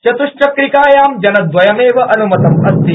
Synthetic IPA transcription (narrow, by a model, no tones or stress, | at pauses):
t͡ʃɐt̪uʃt͡ʃɐkɾikaːjaːmd͡ʒɐnɐd̪ʋɐjɐmeːʋɐʔɐnumɐt̪ɐmɐst̪i